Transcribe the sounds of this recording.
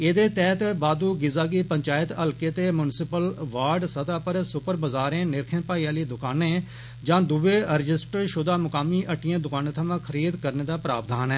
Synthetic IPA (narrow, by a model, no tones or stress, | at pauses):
eːd̪eːt̪ɛːt̪baːd̪uːɡɪzaːɡiːpəɲt͡ʃaːɪt̪əlkeːt̪eːmjʊnsɪpəlʋaːɾɖsəd̪aːpəɾsʊpəɾbəzaːɾẽːnɪɾkʰənpaːiːaːliːd̪ʊkaːnẽː | d͡ʒãːd̪ʊʋeːɾɪd͡ʒɪsʈəɾʃʊd̪aːmʊkaːmiːʔəʈːɪjãːd̪ʊkaːnẽːt̪ʰəmãːkʰəɾiːd̪kəɾneːd̪aːpɾaːb̚d̪aːnɛː